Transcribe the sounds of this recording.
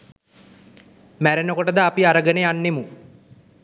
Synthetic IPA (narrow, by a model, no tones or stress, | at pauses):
mæɾenəkoʈəd̪aːpiaɾəɡəneanːemu